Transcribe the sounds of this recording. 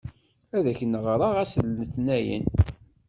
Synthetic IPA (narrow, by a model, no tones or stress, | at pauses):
æðæçənəʁɾˤɑʁæsəlnəθnæjə̰n